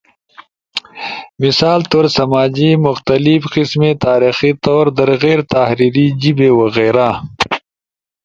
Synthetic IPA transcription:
misaːlt̪oːɾsɐmaːd͡ʑimʊxt̪ɐlifqismet̪aːɾixit̪oːɾd̪ɐɾɣeːɾt̪ahɾiːɾid͡ʑibewɐɣeːɾa

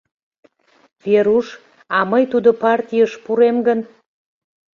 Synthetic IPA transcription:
veɾuʃ | ɑməjt̪ud̪opɑrt̪ʲijəʃpuɾemɡən

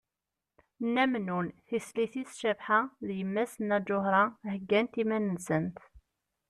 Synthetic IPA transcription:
nːæmnunθisliθisʃævħaðjəmːæsənæd͡ʒʊɦɾɑhəɡːænt̪imænənsənt̪

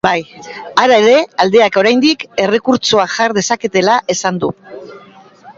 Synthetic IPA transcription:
bajaɾae̞ɾe̞ald̪e̞ako̞ɾajnd̪ike̞re̞kuɾt͡soaʝaɾðe̞sake̞t̪e̞laʔe̞sand̪u

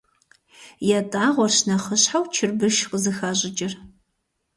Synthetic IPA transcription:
jɛtʼaːʁʷɔrɕnɐχəɕħawt͡ʃʰɪrbɨʃqʼəzɨxaːɕʼɪt͡ʃʼɪr

